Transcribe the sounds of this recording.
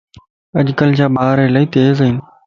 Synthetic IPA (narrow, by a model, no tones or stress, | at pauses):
əʄkəld͡ʑaːbaːɾɪlaːiːt̪eːzɦĩːn